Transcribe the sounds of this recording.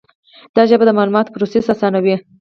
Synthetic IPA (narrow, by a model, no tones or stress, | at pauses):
d̪̥ɑʒəbad̪əmɑlumɑt̪o̥pɾosesasɑnawi